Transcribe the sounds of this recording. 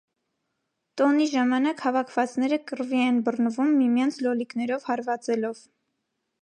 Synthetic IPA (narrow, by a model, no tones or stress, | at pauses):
t̪ɔniʒɑmɑnɑkhɑvɑkʰvɑt͡snɛɾəkəɾviɛnbərnəvumːimjɑnt͡sʰlɔliknɛɾɔvhɑɾvɑt͡sɛlɔv